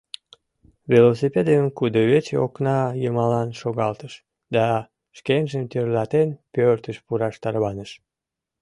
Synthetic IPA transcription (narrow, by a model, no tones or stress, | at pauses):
velos̬ipʲed̪eəmkud̪oβet͡ɕeoknɑjəmɑlɑnʃoɣɑlt̪əʃ | d̪ɑ | ʃkenʒəmt̪ørlɑt̪enpørt̪əʃpuɾɑʃt̪ɑrβɑnəʃ